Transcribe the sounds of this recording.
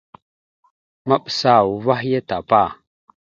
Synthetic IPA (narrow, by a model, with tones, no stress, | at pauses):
ma˦ɓsa˨wu˨va˦hja˦ta˨pa˦˨